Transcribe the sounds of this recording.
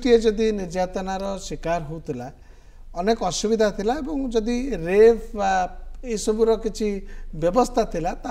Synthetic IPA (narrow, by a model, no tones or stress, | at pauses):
ʈied͡ʒɔd̪iniɾd͡ʒat̪ɔnaɾɔsikaɾɦowt̪ʰila | ɔnekɔsubid̪ʱat̪ʰilaebɔŋd͡ʒɔd̪iɾebbaejsɔbuɾɔkit͡ʃʰibjɔbɔst̪ʰat̪ʰilat̪a